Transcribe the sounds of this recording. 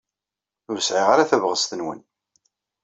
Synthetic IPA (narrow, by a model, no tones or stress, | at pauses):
ʊɾsʕiʁaɾaθævʁəst̪ənwə̰n